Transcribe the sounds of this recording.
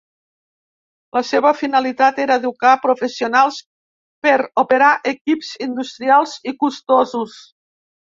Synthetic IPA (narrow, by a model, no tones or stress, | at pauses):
ləseβəfinəlit̪at̪eɾəd̪ukapɾufesiunalˠs | pəɾupeɾaʔekipzind̪ust̪ɾialˠzikust̪ozus